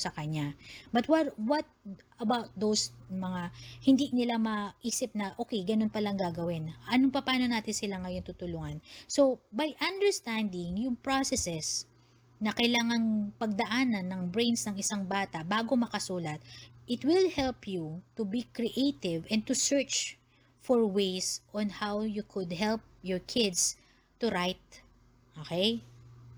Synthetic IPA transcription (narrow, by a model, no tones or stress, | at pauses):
sɐkɐɲabɐt̪wɐwɐt̪̚ | ɐbawt̪̚ðowsmɐŋahɪnd̪inɪlamɐʔiːsɪp̚nɐʔo̞ːkɛjɡɐno̞npɐlɐŋɡaːɡɐwɪnʔɐnoŋpɐpaːno̞naːt̪ɪnsɪlaŋɐjo̞nt̪ut̪ʊlʊŋɐnso̞bɐjʔɐ̃nd̪ɛɹst̪and̪ɪŋjʊŋpɹasɛsɛs | nɐkɐjlaːŋɐŋpɐɡ̚d̪ɐʔaːnɐnːɐŋbɹẽjnsnɐŋɪsaŋbaːt̪ɐʔbaːɡo̞mɐkɐsuːlɐt̪̚ʔɪt̪wɪlhɛlpjut̪ʊbikɹiʔejt̪ɪvɛ̃n̚t̪ʊsɛɹt͡ʃ | fɔɹwejsʔɔnhawjukʰʊd̪ɦɛlp̚jɔɹkʰɪd̪s | t̪ːʊɾajt̪̚ | ʔokɛj